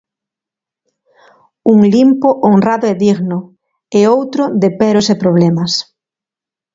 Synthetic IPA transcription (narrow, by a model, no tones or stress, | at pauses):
uŋlimpoʔonraðʊɛðiɣnʊ | eowt̪ɾʊd̪epɛɾosepɾoβlɛmɐs